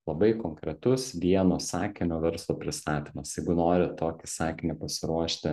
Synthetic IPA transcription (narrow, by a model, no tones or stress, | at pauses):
lˠɐbɐɪkoŋkɾʲɛt̪ʊsʋʲiɛnoːsɑːkʲɪmʲoːʋʲɛɾslˠoːpʲɾʲɪst̪ɑːt̪ʲimɐsjɛɪɡʊnoːɾʲɪt̪oːkʲɪsɑːkʲɪmʲɛpɐsʲɪɾuɔʃʲt̪ʲɪ